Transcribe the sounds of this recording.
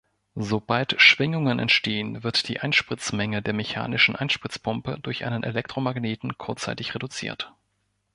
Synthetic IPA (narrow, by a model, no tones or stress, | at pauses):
zobaltʃv̥ɪŋʊŋənʔɛ̰ntʃteːənvɪɐtd̥iːʔaɪnʃpʁ̥ɪt͡smɛŋədeːɐmeça̰ːnɪʃn̩ʔa̰ɪnʃpʁ̥ɪt͡spʰʊmpədʊɐçʔa̰ɪnənʔelɛk̚tʁ̥omaɡneːtn̩kʰʊɐt͡sa̰ɪtɪçʁedut͡sḭːɐt